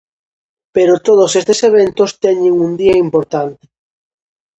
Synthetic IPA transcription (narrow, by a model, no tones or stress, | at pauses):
peɾot̪oð̞osest̪eseβ̞ent̪ost̪eɲeŋund̪iɐimpoɾt̪ant̪e̥